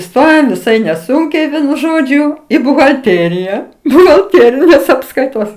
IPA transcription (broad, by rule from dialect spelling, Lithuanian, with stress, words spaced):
ɪˈstoːjoːm ʋʲɪˈsɐɪ nʲɛˈsʊŋʲkʲɛɪ ˈʋʲiɛnʊ ˈʒoːd͡ʒʲʊ ɪ bʊɣɐlʲˈtʲeːrʲɪjɛ bʊɣɐlʲˈtʲeːrʲɪnʲeːs ɐpskɐɪˈtoːs